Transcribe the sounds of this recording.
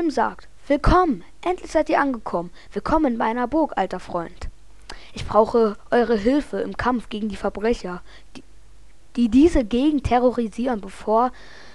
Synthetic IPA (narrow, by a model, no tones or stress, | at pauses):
ɪmza̰ːk̚t | v̥ɪlkʰɔmən | ʔɛntʰlɪçz̥aɪtiːɐʔanɡəkʰɔmən | v̥ɪlkʰɔmənmaɪnɐbʊɐkʔa̰ltɐfʁ̥ɔʏnt | ʔɪçb̥ʁaʊxəʔɔʏʁ̞əɦɪlfəɪmkʰamfɡ̥eːɡŋ̩diːfɛɐbʁɛçɐ | d̥iːdiːzəɡeːɡŋ̩tʰɛʁoʁiziːʁənbəfoːɐ